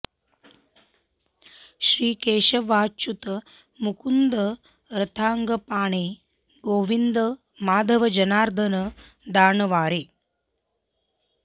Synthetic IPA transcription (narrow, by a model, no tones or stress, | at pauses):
ʃɾiːkeːʃɐʋaːt͡ʃut̪ | mukund̪ɐ | ɾɐt̪ʰaːŋɡɐpaːɳeː | ɡoːʋind̪ɐ | maːd̪ʱɐʋɐd͡ʒɐnaːɾd̪ʱɐnɐ | d̪aːɳɐʋaːɾeː